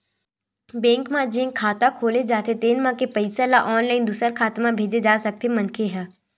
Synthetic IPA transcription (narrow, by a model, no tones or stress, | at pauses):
bɛ̃ːŋkmãd͡ʒẽːŋkʰːaːt̪akʰoːled͡ʒaːt̪et̪eːnmãkepəɪsalaʔɔːnlaːɪnd̪usəɾkʰaːt̪mãbʱeːd͡ʒed͡ʒaːsɐk̚t̪emɐ̃nkʰeɦɛ̃ː